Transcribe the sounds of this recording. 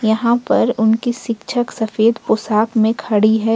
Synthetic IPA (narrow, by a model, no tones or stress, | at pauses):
jɐɦãpɐɾʊnkiʃɪkʃʰəksɐfeːd̪pʊsaːkmẽkʰɐɽiɦɛː